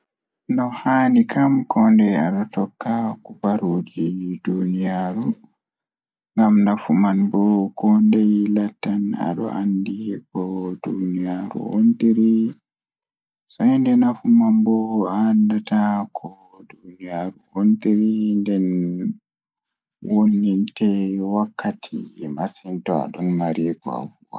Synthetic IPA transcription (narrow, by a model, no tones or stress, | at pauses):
nɔhaːnikʰamkʰɔndɛja̰ɗɔtɔkːakubaɾuːd͡ʒidunijaːɾu | ŋɡamnafumanbɔkɔndɛjlatːana̰ɗɔ̰ʔandikɔdunijaɾṵontiɾi | sɔhɛndɛnafumanbɔandatakʰɔ | dunijaɾuʔontiɾindɛn | wonːintɛwakʰːatʰḭmasintɔa̰ɗɔnmaɾiːkɔ̰a̰buwa̰